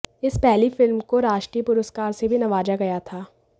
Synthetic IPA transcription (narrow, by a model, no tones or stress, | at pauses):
ɪspɛɦlifɪlmkoɾaːʃʈɾipʊɾəskaːɾsebʱinɐʋaːd͡ʒaɡɐjat̪ʰaː